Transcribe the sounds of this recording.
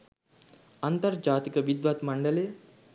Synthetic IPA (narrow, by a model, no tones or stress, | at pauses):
ant̪ɐɾd͡ʒaːt̪ikɐʋid̪ʋat̪mɐɳɖɐle